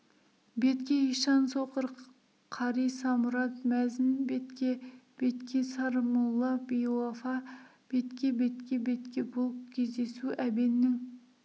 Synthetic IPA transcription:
be̞t̪kʲeiʃɑnsoqəɾ | qʰɑɾijsɑmʊɾɑt̪mæzɪnbet̪kʲeb̥e̞t̪kʲesɑɾmulˠːɑb̥ijlˠafɑ | b̥e̞t̪kʲe̞be̞t̪kʲe̞be̞t̪kʲebolˠəp̚kʲʰe̞zd̪e̞suʔæbenːɪŋ

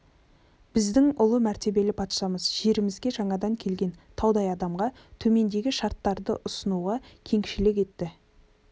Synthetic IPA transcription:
b̥ɪzd̪ɪŋʊlˠəmæɾt̪e̞be̞lɪpʰɑt̪ʃɑməzʒe̞ɾɪmɪzɡʲe̞ʒɑɴɑd̪ɑŋkʲʰe̞lɡʲe̞nt̪ʰɑwd̪ɑjɑd̪ɑmʁɑ | t̪ʰɵme̞nd̪e̞ɡʲɪʃɑɾt̪ːɑɾd̪əʔʊsənuʁɑkʲʰe̞ŋʃɪlɪkʲe̞t̪ːɪ

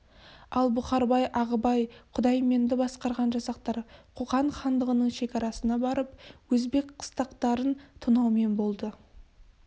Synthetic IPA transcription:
ɑlˠbʊχɑɾbɑjʔɑʁəbɑjqʰʊd̪ɑjme̞nd̪ɪbɑsqɑɾʁɑnʒɑsɑq̚t̪ɑɾqʰoʁɑɴχɑnd̪əʁənəɴʃe̞kʲɑɾɑsənɑbɑɾəpwɵzbe̞kqʰə̥st̪ɑqt̪ɑɾənt̪ʰʊnɑwme̞nbo̞lˠd̪ə

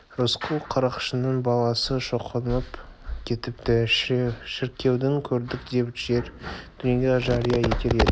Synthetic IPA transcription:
ɾosqʰəlˠqʰɑɾɑqə̥ʃənəɴbɑlˠɑsəʃo̞qʰənəpkʲʰe̞t̪ɪp̚t̪ɪ | ʃɪɾkʲːe̞wd̪ɪŋkʲʰɵɾd̪ɪkd̪e̞bɪt̪ʃe̞ɾd̪̥ʏneɡʲeʒɑɾəjɑje̞kʲe̞le̞d̪ɪ

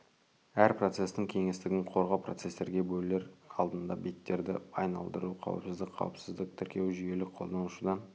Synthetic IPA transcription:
æɾpro̞t̪se̞st̪ɪŋkʲʰe̞ŋe̞st̪ɪɡʲɪɴqʰo̞ɾʁɑwpro̞t̪se̞st̪e̞ɾɡʲe̞bɵjle̞ɾɑlˠd̪ənd̪ɑbet̪ːe̞ɾd̪ɪɑjnɑ̰lˠd̪əɾuqʰɑ̰wə̰psɪzd̪ɪk̚qʰɑ̰wəpsɪzd̪ɪk̚t̪ʰʏɾkʲe̞wʒʏje̞lɪqʰo̞lˠd̪ɑnʊʃud̪ɑ

